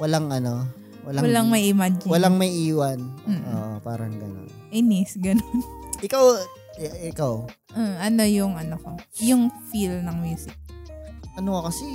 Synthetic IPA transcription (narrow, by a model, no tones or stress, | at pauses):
wɐlaŋɐno | wɐlawɐlɐŋmɐjʔɪmad͡ʒɪwɐlaŋmɐjʔiːwɐnm̩oːʔopaːɾɐŋɡɐ̰no̰nʔɪnɪsɡɐnonʔɪkaw | ʔɪkaw | ʔoɐno̞jʊŋɐnoko | jʊŋfilnɐŋmjuːsɪk̚ʔɐnoɐkɐsɛ